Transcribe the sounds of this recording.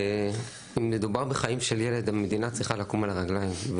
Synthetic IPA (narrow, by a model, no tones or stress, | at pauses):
e | imned̪ubaʁbeχaimʃeljele̞d̪amed̪inat͡sʁiχalakumalaʁaɡlaimv